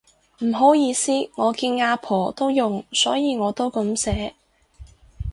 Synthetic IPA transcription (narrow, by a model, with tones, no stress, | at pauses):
m̩˨˩ɦo˨˥wjiː˨˧siː˥ŋɔː˨˧kiː˧nŋaː˧pʰɔː˨˩t̪o˥wjʊ˨ŋsɔː˨˥jiː˨˧ŋɔː˨˧t̪o˥wkɐ˨˥msɛː˨˥